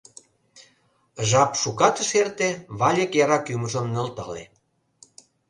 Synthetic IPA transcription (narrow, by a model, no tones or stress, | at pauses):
ʒɑpʃukɑt̪ə̆ʃert̪eβɑlʲəkjɑɾɑkyməʒə̆mnə̆lt̪ɑlḛ